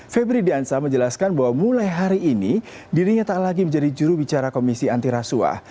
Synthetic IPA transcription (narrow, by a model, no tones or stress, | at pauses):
febɾidiansaməɲd͡ʒəlaskanbaɦwamulajɦaɾiːni | diɾiɲat̪alaɡiməɲd͡ʒadid͡ʒuɾubit͡ʃaɾakomisiant̪iɾasua̰